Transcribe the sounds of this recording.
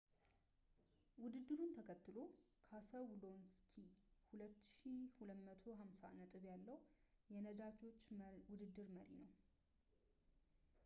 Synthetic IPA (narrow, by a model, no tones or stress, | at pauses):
wʊd̪ɨd̪ːɨɾunt̪ʰəkʰət̪ːɨlo | kʰasəwlonskʰihulət̪ːʃihuləmət̪ʰo̞ɦamsa̰nət̪ʼɨβjalːəhjɛnəd̪at͡ʃo̞t͡ʃːwʊd̪ɨd̪ːɨɾməɾḭnəw